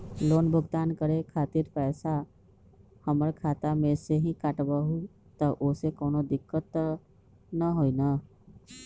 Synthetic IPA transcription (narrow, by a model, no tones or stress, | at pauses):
loːnbʱʊɡt̪aːnkəɾekʰaːt̪iːɾpɛːsa | həməɾkʰaːt̪amẽseɦĩkəʈbəɦu | t̪əʔʊsekoːnod̪ɪkːət̪ | nəɦoinaː